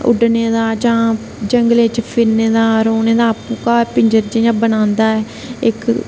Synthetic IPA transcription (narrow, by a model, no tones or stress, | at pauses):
ʊ̰ɖneːd̪aːd͡ʒãː | d͡ʒəŋɡəleɪt͡ʃpʰɪɾneːd̪aːɾoːneːd̪aːpũːkaːpɪɲd͡ʒəɾd͡ʒiãːbənãːnd̪aːɛː | ɪk